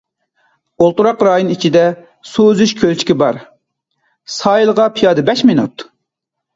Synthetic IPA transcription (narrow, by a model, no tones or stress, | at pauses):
olˠt̪uɾɑqɾɑːjonit͡ʃʰid̪ɛ | sozyʃkʲʰølt͡ʃʰi̥kʲibɑɾ | sɑːjilˠʁɑpʰijɑːd̪ɨbɛʃminṵt̪